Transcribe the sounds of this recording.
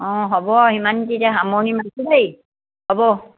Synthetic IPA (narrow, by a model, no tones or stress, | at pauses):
ɔ̃ɦɔbɔɦimantitaɦamɔnimasudej | hɔbɔ